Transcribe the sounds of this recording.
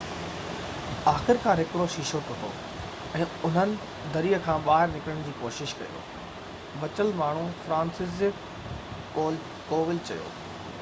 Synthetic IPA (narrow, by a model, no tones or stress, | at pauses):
aːxɪɾkʰãːɾɦɪkɽoʃiʃoːp̪ʊt̪ʰo̰ː | ɛ̃ːʊn̤ənɪ̆ | d̪ɐɾiːəkʰãːɓaːɦɪɾnɪkəɽə̃ɽ̃d͡ʑiːkoːʃɪʃkɐ̰jo̰ː | ʋɐt͡ɕəlmaːɳ̤ũfɾãːnsɪzɪkː | oːl | koːʋɪlt͡ɕɐ̰jo̰ː